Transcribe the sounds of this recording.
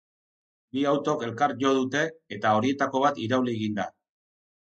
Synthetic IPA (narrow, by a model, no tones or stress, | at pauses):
biawt̪o̞ke̞lkaɾʝo̞ð̞ut̪e̞ːt̪ao̞ɾie̞t̪ako̞β̞at̪iɾawlieɣind̪a